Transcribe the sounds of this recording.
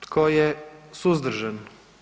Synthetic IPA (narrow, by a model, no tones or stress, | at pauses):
t̪kʰojesuzd̪r̩ʒan